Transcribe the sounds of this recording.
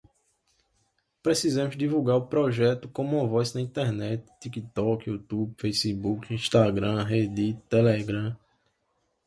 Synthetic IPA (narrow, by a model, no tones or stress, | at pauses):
pɾesizɐ̃mʊzd̪ivuɡaɾʊpɾɔʒɛt̪ʊkõmũɐ̃vɔjznɐĩt̪ɛɾnɛt̪ɪ̥t̪ikit̪ɔkut̪ubfejsibukĩʃt̪aɡɾɐ̃ɦed̪it̪ɛlɛɡɾɐ̃